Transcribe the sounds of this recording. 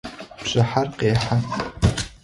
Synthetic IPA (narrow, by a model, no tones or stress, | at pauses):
bɕʼɐħarqeːħa